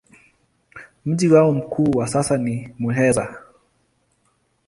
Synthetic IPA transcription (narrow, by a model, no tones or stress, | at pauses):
m̩ʄiwaɔm̩kʰuːwasasanimuɦɛza